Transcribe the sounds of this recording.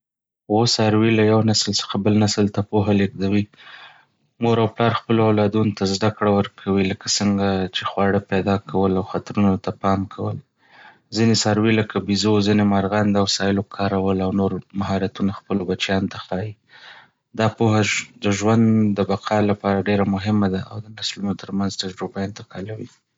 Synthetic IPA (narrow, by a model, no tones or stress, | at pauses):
wosɑɾwilajawnaslsə̥xabəlnaslt̪apoɦaleɡd̪awi | moɾawplɑɾxpəloawlɑd̪unot̪ʰazd̪akɽawəɾkʰawiləkasəŋɡat͡ʃexwɑɽəped̪ɑkʰawəlawxat̪ɾunot̪apɑmkʰawəl | zinesaɾweləkʰabizozinemaɾɣand̪awsɑjɪlokʰɑɾawəlawnoɾmaɦɑɾat̪unaxpəlobat͡ʃjɑnot̪axɑji | d̪ɑpoɦad̪əʒwand̪d̪əbaqʰɑlapɑɾaɖeɾamʊɦɪmad̪aawd̪ənaslunot̪əɾmanzt̪aʒɾubaɪnt̪ɪqɑlawi